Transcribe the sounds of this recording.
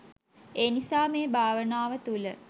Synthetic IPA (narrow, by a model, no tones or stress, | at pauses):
eːnisaːmeːbʱaːʋənaːʋət̪ulə